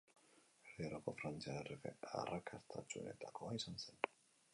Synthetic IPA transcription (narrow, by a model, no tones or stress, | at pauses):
reɾokofɾant͡siarefḛa̰ɾʔakʰast̪ʰat͡ʃunet̪ʰakoajsansɛn